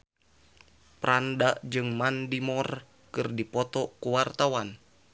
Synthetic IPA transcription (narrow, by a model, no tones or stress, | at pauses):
pɾandaʔd͡ʒɨŋmandimɔr | kɨrdipɔt̪ɔkuwart̪awan